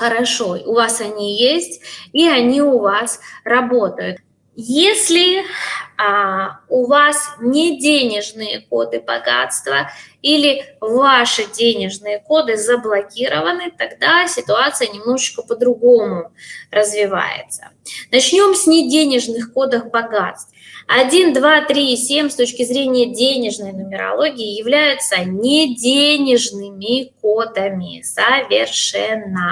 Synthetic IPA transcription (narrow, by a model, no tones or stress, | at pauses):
xəɾɐʂoʊvasɐnʲijesʲtʲiɐnʲiʊvasrɐbo̞t̪əjʊt̪ | jesʲlʲɪ | ʊvasnʲɪdʲenʲɪʐnɨjəkod̪ɨbɐ̰ɡa̰t̪st̪vəilʲɪvaʂɨdʲenʲɪʐnɨjəko̞d̪ɨzəblˠɐkʲiɾəvənɨt̪ɐɡd̪asʲɪt̪ʊat̪sɨjənʲɪmno̞ʐɨt͡ɕkəpəd̪ɾʊɡo̞mʊrəzvʲɪva̰jɪ̰t̪sə̥̰nɐt͡ɕnʲo̞msʲnʲɪdʲenʲɪʐnɨxko̞d̪əxbɐɡat̪st̪ɐdʲind̪vat̪ɾʲisʲemʲst̪o̞t͡ɕkʲɪzɾʲenʲɪjədʲenʲɪʐnəjnʊmʲɪɾɐ̰lˠo̞ɡʲɪːɪjɪvlʲæjʊt̪sənʲɪdʲenʲɪʐnɨmʲɪko̞d̪əmʲɪ̰səvʲɪrʂɛnːə